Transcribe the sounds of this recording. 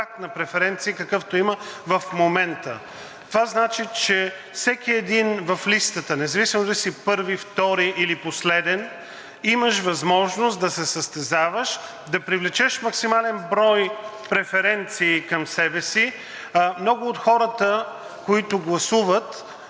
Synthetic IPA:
ak̚t̪nɐpɾɛfɛɾɛnt̪siikɐkɤft̪oiməvɐfmomɛnt̪ə | t̪ovaznat͡ʃit͡ʃɛ | fsɛkiɛd̪invɐflist̪ət̪ənɛzɐvisimod̪ɐisipɤɾvift̪ɔɾiʔiliposlɛd̪ɛn | iməʃvɐzmɔʒnost̪d̪ɐsɛsəst̪ɛzavəʃ | d̪ɐpɾivlɛt͡ʃɛʃmɐksimalɛnbɾɔj | pɾɛfɛɾɛnt̪siːkɐmsɛbɛsi | mnɔɡʊːt̪xɔɾət̪ə | koit̪ʊɡlˠɐsuvət̪

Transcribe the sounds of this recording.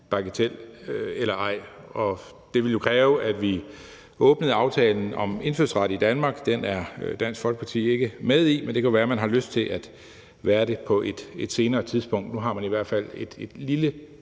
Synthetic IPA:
b̥ɑ̈ɡ̥ət͡sʰel̰elɐʔɑ̈ɪ̰ɒ̽ | d̥e̝ʋe̝ljo̝kʰʁɛːʊʔæd̥ʋi | ɔ̽ːb̥nəð̩ˠɑ̈ʊt͡sʰɛːln̩ɒ̽me̝nføɐ̰sʁɑ̈ɾ̥əid̥ænmɑ̈ːɡ̥d̥enæɐd̥æn̰sɡ̥fɒ̽lɡ̥̚pʰɑ̈t͡sʰḭːe̝ɡ̥əmeðˠimend̥ekʰæoʋæːɐmænɦɑ̈løsd̥̚t͡sʰe̝lʔæd̥ | ʋæːɐɾe̝pʰɒ̽ʔe̝d̥ed̥se̝ːnɐːt͡sʰiðˠsb̥ɔ̽ŋ̰d̥nuɦɑ̈mæniʋæɐ̰d̥fæl̰e̝d̥e̝d̥lilə

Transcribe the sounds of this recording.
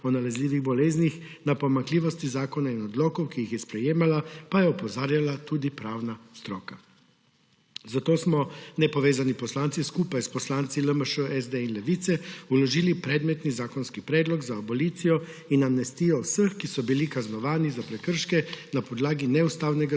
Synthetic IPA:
ɔnalɛzliːʋiɣbɔleːznix | napɔmaŋkliːʋɔst̪izaːkɔnainɔd̪lɔːkɔwkiixjɛspɾɛjeːmalapajɛɔpɔzaːɾjalat̪uːd̪ipɾawnast̪ɾɔːka | zat̪oːsmɔnɛpɔʋeːzanipɔslaːntsiskuːpajspɔslaːnt̪siləməʃəʔɛzd̪einlɛʋit̪sɛulɔʒiːlipɾɛd̪mɛt̪nizaːkɔnskipɾɛːd̪lɔɡzaːbɔliːt̪sijɔ | inamnɛst̪iːjɔwsəxkisɔbilikaznɔʋaːnizapɾɛkəɾʃkɛnapɔd̪laːɡinɛust̪aːwnɛɡa

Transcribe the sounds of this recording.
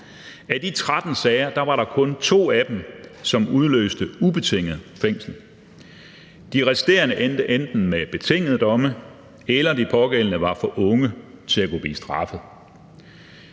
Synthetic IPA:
æd̥it͡sʰʁad̥n̩sɛɪɐd̥ɑ̈ʋɑ̈ɾɑ̈kʰɔ̽nt͡sʰo̝̰ːæd̥em̩sɒ̽muð̞ˠlø̰ːsd̥əub̥e̝t͡sʰe̝ŋ̰ð̩ˠfeŋ̰sl̩ | d̥iʁɛsid̥e̝̰ːɐnəʔend̥əʔend̥n̩meb̥e̝t͡sʰe̝ŋ̰əð̩ˠd̥ɒ̽mə | elɐd̥ipʰɒ̽ɡ̥el̰ənəʋɑ̈fɒ̽ʔɔ̽ŋət͡sʰe̝æɡ̥o̝b̥lḭːsd̥ʁɑ̈fð̩ˠ

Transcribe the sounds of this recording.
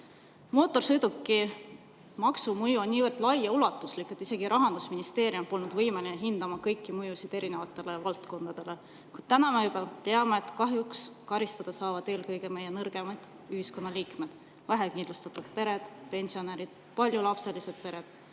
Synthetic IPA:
mo̞ːt̪ːˑo̞rsɤjd̪ukːˑi | mɑksumujuonʲnʲiːvɤrd̪̥lɑjɑulɑt̪ːˑuslikːˑet̪ːˑise̞ɡ̥iɾʔɑɦɑnd̪̥usminist̪e̞ːɾjumpo̞lnud̪̥vɤjme̞lineɦind̪ɑmɑkɤjkːˑimujusid̪̥e̞ɾine̞vɑt̪ˑːe̞le̞vɑlt̪ko̞nd̪̥ɑd̪̥e̞le̞ | kujd̪̥̚t̪ænɑmejubɑt̪e̞ɑme̞ːt̪kɑɦjukskɑɾist̪ɑd̪̥ɑsɑːvɑd̪̥e̞ːlkɤjɡ̥e̞me̞jːenɤrɡ̥e̞mɑd̪̥ | yɦisko̞nːɑliːkme̞d̪̥ | væɦekind̪lust̪ɑt̪ːud̪̥pe̞ɾe̞d̪̥pe̞nʲsio̞neɾid̪̥ | pɑlʲjulɑpse̞lise̞d̪̥̚pe̞ɾe̞d̪̥

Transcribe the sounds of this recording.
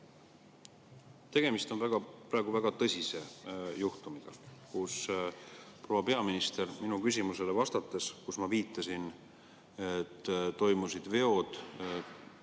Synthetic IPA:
t̪e̞ɡ̥e̞mist̪o̞nvæɡ̥ɑpɾɑːɡ̥uvæɡ̥ɑt̪ɤsʲise̞juht̪umiɡ̥ɑkus | pro̞wɑpe̞ɑminist̪e̞rminukys̬ʲimuse̞levɑst̪ɑt̪ːˑeskusmɑviːt̪ːˑɑsin | et̪ːt̪ːo̞jmusid̪̥ve̞o̞d̪̥

